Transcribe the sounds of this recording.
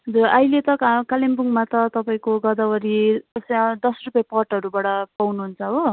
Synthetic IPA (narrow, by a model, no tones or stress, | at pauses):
ɦʌd͡zurʌjlet̪ʌkalembuŋmat̪ʌt̪ʌpaĩkoɡʌd̪abʌɾiʌsd̪ʌsrupjapʌrʈʌɾubaɽʌpawnuɦunt͡sʰʌɦo